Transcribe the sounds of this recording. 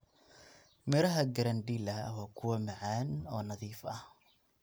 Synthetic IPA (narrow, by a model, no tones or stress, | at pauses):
mɛɾɐɦɐɡɐɾɐnd̪iːlɐwaːkʰʊwɐmɐʕaːnɔːnɐðiːfɐh